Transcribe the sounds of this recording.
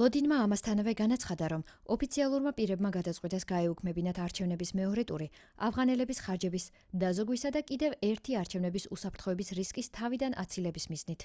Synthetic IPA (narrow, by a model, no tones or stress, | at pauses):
lˠɔd̪inmaːmast̪ʰanavɛɡanat̪sʰχad̪aɾɔm | ɔpʰit̪sʰialˠuɾmapʼiɾɛbmaɡad̪at̪sʼqʼwit̪ʼɛsɡaɛukʰmɛbinat̪ʰaɾt͡ʃʰɛvnɛbismɛɔɾɛt̪ʼuɾi | avʁanɛlɛbisχaɾd͡ʒɛbis | d̪azɔɡwisad̪akʼid̪ɛvɛɾt̪ʰiaɾt͡ʃʰɛvnɛbisusapʰɾt̪χɔɛbisɾiskʼist̪ʰavid̪anʔa̰t̪sʰilɛbismiznit̪ʰ